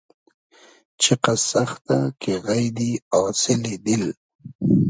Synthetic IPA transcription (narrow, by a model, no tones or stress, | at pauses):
t͡ʃʰɪqasaxt̪akeɣajd̪iasɪlid̪ɪl